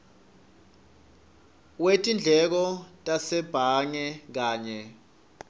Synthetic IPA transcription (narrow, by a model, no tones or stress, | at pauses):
wetʼind͡ɮʱɛk̬ɔtʼasɛb̥ʱaŋɛk̬aːɲɛ